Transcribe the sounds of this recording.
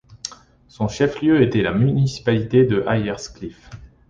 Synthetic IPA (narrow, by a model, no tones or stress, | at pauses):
sɔ̃ʃɛfljøet̪ɛlamynisi̥palit̪ed̪əʔajɛʁsklif